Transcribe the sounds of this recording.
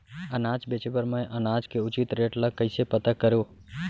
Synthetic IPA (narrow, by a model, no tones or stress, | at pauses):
ənaːd͡ʒbeːt͡ʃepəɾmə̃ʔənaːd͡ʒkeʊt͡ʃɪt̪ɾeːʈlakəɪsepət̪akəɾjoː